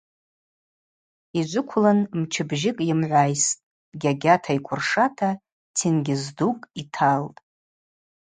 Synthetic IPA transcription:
id͡ʒʷʊkʷʰʊlanmt͡ʃʰɪbʒɪkʼjɪmʕʷajstʼ | ɡʲaɡʲatʰaikʷʰʊrʂatʰa | tʰɪnɡʲɪzdukʼitʰaltʼ

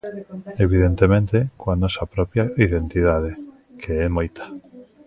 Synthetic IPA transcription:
eβ̞iðent̪emẽnt̪ekoanɔsɐpɾɔpjaiðent̪iðað̞e | kʰeɛmojt̪ḁ

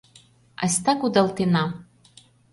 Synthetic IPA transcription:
a̰sʲt̪akud̪alˠt̪ena

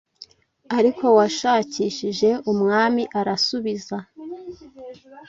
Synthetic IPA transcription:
aɾiko̞waʃaːciːʃiʒe̞umŋaːmiʔaɾasuβiza

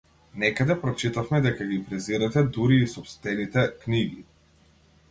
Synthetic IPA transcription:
nɛkad̪ɛpɾɔt͡ʃit̪afmɛd̪ɛkaɡipɾɛziɾɛt̪ɛd̪uɾiːsɔpst̪ɛnit̪ɛkniɡḭ

